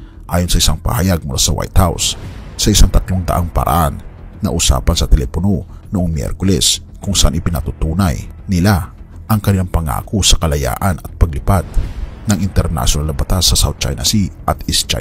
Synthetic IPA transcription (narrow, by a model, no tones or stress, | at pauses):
ʔaːjonsɐʔɪsaŋpɐ̰hajaɡ̚mʊlʔa̰sɐwa̰jt̪̚hawsːɐʔɪsaŋt̪ɐt̪loŋd̪ɐ̰ʔaŋpɐ̰ɾʔa̰ʔanːɐʔʊsa̰ːpɐnsɐt̪ɛlɛpono | noʔoŋmjɛ̰ɾkʊlɛs | kʊŋsɐʔanʔɪpɪnɐt̪ut̪uːnajnɪla | ʔɐŋkɐnɪlaŋpɐŋa̰ːkosɐkɐlɐja̰ːʔɐnɐt̪̚pɐɡ̚lɪpat̪̚nɐŋʔɪnt̪ɛɾna̰ʃjonalɐbɐt̪asːɐsa̰w̪̚t͡ʃa̰jnɐsiʔɐt̪ɪst͡ʃa̰